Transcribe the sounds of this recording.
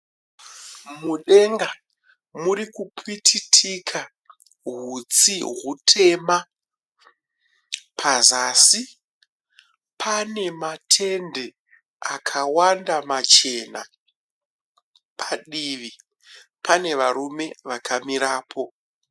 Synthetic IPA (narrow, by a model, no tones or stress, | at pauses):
muɗe̞ŋɡa | muɾikupitʰitʰikʰa | ɦut͡siɦutʰe̞ma | pʰazaːsi | pʰane̞matʰe̞nde̞ | akʰawandamat͡ʃe̞na | pʰaɗiʋi | pʰane̞ʋaɾume̞ʋakʰamiɾaːpʰo̞